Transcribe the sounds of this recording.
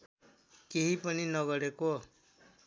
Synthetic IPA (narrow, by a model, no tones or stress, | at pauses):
keɦipʌninʌɡʌɽeko